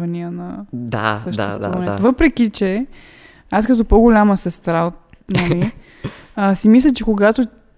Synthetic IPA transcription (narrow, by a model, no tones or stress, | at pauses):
vɐniənɐd̪a̰səʃɛst̪onɛt̪ovɤpɾɛk̟it͡ʃɛ | askɐt̪ɔpɔɡʊlʲaməsɛst̪ɾaot̪nomi | əsimislʲət͡ʃɛkoɡat̪o